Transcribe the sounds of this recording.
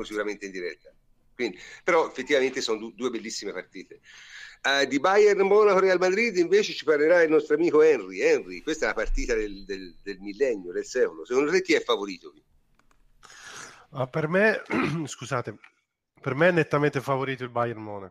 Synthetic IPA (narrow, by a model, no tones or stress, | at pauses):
osikuɾament̪eind̪iɾɛt̪ːa | kwind̪ipeɾɔefːet̪ːivament̪esɔnod̪ud̪uːebelːisːimepart̪iːt̪e | d̪ibajɛrnmɔːnakoɾealmad̪ɾid̪iɱveːt͡ʃet͡ʃiparleɾailnɔst̪ɾoamiːkoɛnriɛnrikwest̪ɛlapart̪iːt̪ad̪eld̪eld̪elmilːɛnːjod̪elsɛːkond̪osekond̪ot̪ekːiɛfːavoɾiːt̪oki | apːermeskuzaːt̪e | permeɛnːet̪ːament̪efavoɾiːt̪oilbajɛrmɔːnak